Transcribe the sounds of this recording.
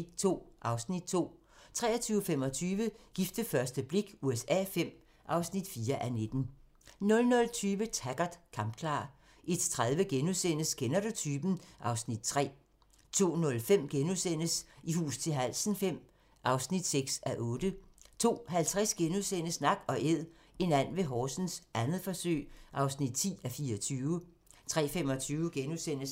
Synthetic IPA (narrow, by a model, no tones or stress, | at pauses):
t͡sʰo̝̰ːʔɑ̈ʊsnid̥̚t͡sʰo̝̰ː | t͡sʰʁɛ̰ːɐt͡sʰyːʊəfem̰ɒ̽t͡sʰyːʋəɡ̥ifd̥əfɶɐsd̥əb̥le̝ɡ̥uesɛ̰ːfem̰ | ʔɑ̈ʊsnid̥fiːɐʔæned̥n̩ | nɔ̽lnɔ̽lt͡sʰyːʋət͡sʰæɡ̥ɐd̥kʰɑ̈mb̥̚kʰlɑ̈ː | ʔed̥t͡sʰʁaðˠʋəɡ̥enusenəsɡ̥enɐd̥ɐt͡sʰyːb̥n̩ʔɑ̈ʊsnid̥̚t͡sʰʁɛ̰ː | t͡sʰo̝̰ːnɔ̽lfem̰ɡ̥enusen̰əsihṵːst͡sʰe̝lɦæl̰sn̩fem̰ | ʔɑ̈ʊsnid̥seɡ̥sæʔɔ̽ːd̥ət͡sʰo̝̰ːhælt͡sʰʁasɡ̥enusen̰əsnɑ̈ɡ̥ɒ̽ʔeð̰ˠ | e̝næn̰ʋe̝ɦɒːsn̩sʔænð̩ˠfɒ̽sø̰ːɪʔɑ̈ʊsnid̥̚t͡sʰḭːæfiːɐɐt͡sʰyːʊə | t͡sʰʁɛ̰ːfem̰ɒ̽t͡sʰyːʊəɡ̥enusen̰əs